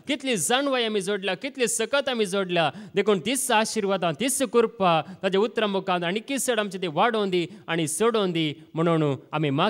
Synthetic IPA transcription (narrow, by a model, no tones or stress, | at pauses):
kit̪lid͡zanʋajamid͡zoɽlʲakit̪lisəkət̪amid͡zoɽljad̪ekʰuːɳt̪isaɕiɾʋad̪ãt̪isəkuɾpat̪ad͡ʑaut̪ːɾəmukãnd̪aɽ̃ikisəɽamt͡ɕet̪eʋaɽõnd̪iaɽ̃isoɽõnd̪i | m̤əɽ̃oɽ̃uːamima